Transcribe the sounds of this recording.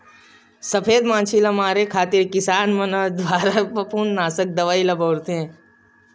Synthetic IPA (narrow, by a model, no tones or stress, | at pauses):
sɐpʰeːd̪mãːnt͡ʃʰilɐmaːɾekʰaːt̪iɾkɪsaːnmɐnɐd̪waːɾapɐpuːnːaːsək̚d̪ɐʋaːilɐboːɾt̪eɛ̃